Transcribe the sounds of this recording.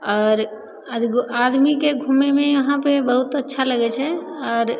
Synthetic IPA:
ɔːɾ | ad̪mikeɡʱumemeəɦãpebəɦut̪ətːʃʰaləɡɛt͡ʃʰɛɔːɾ

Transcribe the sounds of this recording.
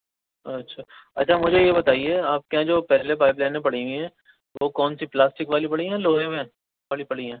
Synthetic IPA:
ɐtːʃʰaːɐ̰tːʃʰamʊd͡ʒʱejebɐt̪aːieaːp̚keãd͡ʒoːpɛɦlepaːɪplɛ̃ːnẽp̬ɐɽ̤iwĩɦɛ̃ː | ʋokɔːnsiplaːsʈɪkʋaːlipɐɽiɦɛ̃loːɾẽʋɛ̃ | ʋaːɽipɐɽ̤iɦɛ̃ː

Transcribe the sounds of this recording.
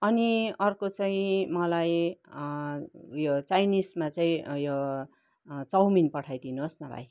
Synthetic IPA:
ʌniʌrkot͡saĩmʌlaj | jot͡sajnismat͡saĩjo | t͡sʌwminpʌʈʰajd̪inuɦosnʌba̰j

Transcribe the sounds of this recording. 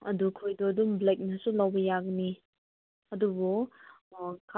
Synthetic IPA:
ɐ̰dukʰojdɔdumblek̚nɐsulɐwbɐjaɡni | ɐdubɔ | kʰa

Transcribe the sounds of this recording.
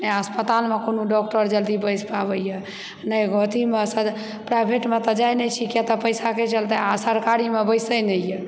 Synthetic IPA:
nəəspət̪almekonoɖɔk̚ʈəɾd͡ʒəld̪ibəjspabəjjɛ | nəjɡɔt̪imesə | pɾajbʱeʈmet̪ɔd͡ʒajnɛt͡ʃʰikjat̪ɔpəjsaket͡ʃəlt̪əasəɾkaɾimebəjsəjnəjjɛ

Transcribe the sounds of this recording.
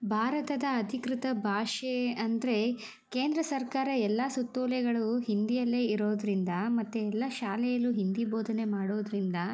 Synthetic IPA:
bʱaːɾɐt̪ɐd̪ɐːd̪ʱikɾit̪ɐbʱaːʂeɐnd̪ɐɾe̞ | keːnd̪ɾɐsɐɾkaːɾɐɛlːɐsut̪ːoːlɛɡɐɭuɦind̪ijɐlːeːiɾoːd̪ɾind̪ɐmɐt̪ːeɛlːɐʃaːlɛjɐluɦind̪iboːd̪ʱɐne̞maːɽoːd̪ɾind̪ɐ

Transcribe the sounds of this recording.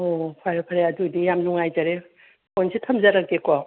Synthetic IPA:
opʰajɾapʰaɾeadudijamzuŋajzaɾe | konsʰitʰɐmzaɾakekɔ

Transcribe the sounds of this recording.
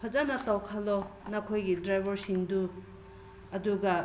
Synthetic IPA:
pʰɐzanɐtawkʰalɔnɐkʰojɡidɾajbʱɐɾsindu | ɐduɡɐ

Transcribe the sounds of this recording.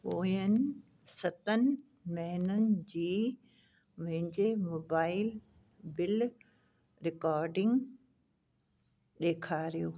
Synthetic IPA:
poːjənɪ̆ | sɐt̪ənɪ̆ | mɐɦɪnənɪ̆d͡ʑiː | mɐ̃ɦɪ̃ɲd͡ʑemoːbaːɪl | bɪl | ɾɪkaːɾɖɪ̃ŋɡ | ɗeːkʰaːɾijoː

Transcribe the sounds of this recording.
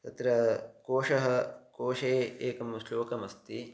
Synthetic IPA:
t̪ɐt̪ɾɐkoːʂɐɦɐkoːʂeːeːkɐmusloːkɐmɐst̪i

